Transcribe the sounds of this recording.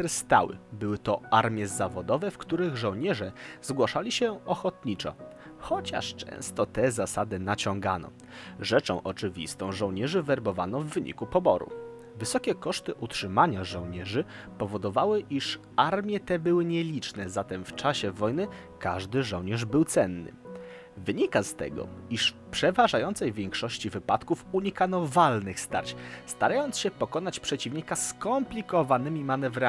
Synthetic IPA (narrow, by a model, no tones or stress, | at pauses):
ɛɾst̪a̰wɘ̰bɘwɘt̪ɔaɾmʲjɛzavɔd̪ɔvɛfkt̪uɾɘɣʐɔwɲɛʐɛzɡwaʂalʲiɕɛɔxɔt̪ɲit͡ʂɔ̰xɔt͡ɕa̰ʂt͡ʂɛ̰̃w̃st̪ɔt̪ɛzasad̪ɘnat͡ɕɔ̃ŋɡanɔ̰ | ʐɛt͡ʂɔ̃w̃ʔɔt͡ʂɘvʲḭst̪ɔ̃w̃ʐɔ̃wɲɛʐɘvɛɾbɔvanɔvːɘɲḭkupɔbɔɾṵ | vɘsɔkʲɛkɔʂt̪ɘʔutʂɘmaɲaʐɔw̃ɲɛʐɘ | pɔvɔd̪ɔvawɘʔiʂ | aɾmʲjɛt̪ɛbɘwɘɲɛlʲit͡ʂnɛzat̪ɛmft͡ʂaɕɛvɔjnɘ | kaʐd̪ɘʐɔwɲɛʐbɘwt̪sɛnːɘ̰ | vɘɲikast̪ɛ̰ɡɔ̰iʂ | pʂɛvaʐajɔnt̪sɛjvʲjɛŋkʂɔɕt͡ɕivɘpat̪kufuɲikanɔvalnɘxst̪a̰ɾt͡ɕst̪aɾajɔnt̪ɕɛpɔkɔnat͡ɕpʂɛt͡ɕivɲikaskɔmplʲikɔvanɘmʲimanɛvɾa